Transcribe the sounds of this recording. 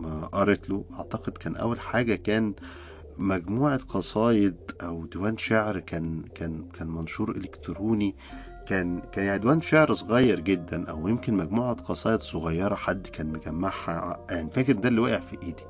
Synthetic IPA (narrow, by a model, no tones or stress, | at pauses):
mæʔɑɾˤet̪loʔɑʕt̪ɑqed̪kæːnʔæ̰wːælħaːɡækæːn | mæɡmuːʕɑqɑsˤɑːjed̪̚ʔæwd̪ewæːnʃaʕɾkæːnkæːnkæːnmɑnʃuːɾˤʔelekt̪ɾuːni | kæːnkæːnjaʕid̪wæːnʃaʕɾsˤɣɑjːɑɾˤɡed̪ːænʔæ̰wjemkenmæɡmuːʕɑd̪qɑsˤɑːjed̪sˤoɣɑjːɑɾˤɑħad̪ːkæːnmeɡæmːaʕhæaʕnifæːked̪d̪ælːiwæːʔeʕfiʔeːd̪i